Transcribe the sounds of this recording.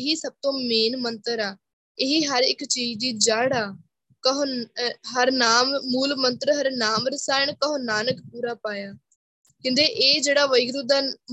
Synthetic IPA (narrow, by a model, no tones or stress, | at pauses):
ɦiːsəb̚t̪õːmeːnmənt̪əɾaː | ɪɦiːɦəɾɪkt͡ʃiːd͡ʒd̪iːd͡ʒaːɽaː | kəɦɦəɾnaːmmuːlmənt̪ɾɦəɾnaːmɾəsaːɪɳkəɦonaːnəkpuːɾaːpaːjaː | kɪ̃nd̪eːʔeːd͡ʒeːɽaːʋəɪɡɾʊd̪aː